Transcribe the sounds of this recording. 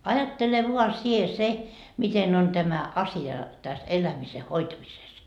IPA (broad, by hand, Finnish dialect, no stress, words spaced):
ɑjɑtːele ʋuɑ sie se miten on tæmæ ɑsiɑ tæs elæmise hoitɑmises